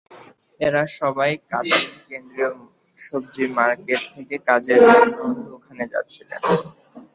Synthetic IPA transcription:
eɾaʃɔbajka̰t̪ikend̪ɾio | ʃob̚d͡ʑiɾmaɾkeʈ̚t̪ʰːekekad͡ʑeɾd͡ʑɔnot̪okʰaned͡ʑa̰tːɕʰilḛn

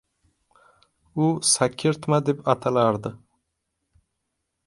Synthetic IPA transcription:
ʊsakʲʰːɪɾt̪mad̪e̞pat̪ʰalaɾd̪ɪ

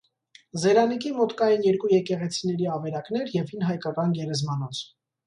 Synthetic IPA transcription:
zɛɾɑnikʰimɔt̪kɑjɛnjɛɾkujɛkɛʁɛt͡sʰinɛɾiɑvɛɾɑkn̪ɛɾjɛvinɦɑjkɑkɑnɡɛɾɛzmɑnɔt͡sʰ

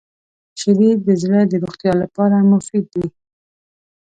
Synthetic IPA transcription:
ʃaɾid̪əd͡ʒləd̪əɾoxt̪jɑlapɑɾamʊfɪd̪̚ːi

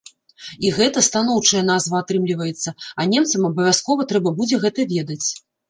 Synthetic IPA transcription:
iɣɛt̪ɐst̪anɔwt͡ʂɐjɛn̪azvɐat̪ɾɨmlʲivɐjɛt̪sːɐɐnʲɛmt̪sɐmɐbɐvʲaskɔvɐt̪ɾɛbɐbud͡zʲɛɣɛt̪ɐvʲɛd̪ɐt͡sʲ

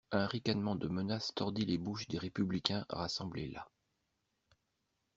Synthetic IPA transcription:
ɛ̃ʁikanmɑ̃d̪əmənast̪ɔʁd̪ilebuʃd̪eʁepyblikʲɛ̃ʁasɑ̃blela̰

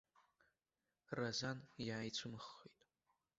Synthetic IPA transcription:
razanjaːjt͡sʷʰɨmɨχːitʼ

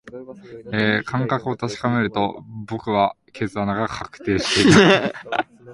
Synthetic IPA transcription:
eːkʰãŋkakɯ̟o̞t̪aɕi̥kame̞ɾɯ̟t̪o̞bo̞kɯ̟βa | kʰe̞zɨanaɡakʰakɯ̟̥t̪e̞ːɕi̥t̪e̞i

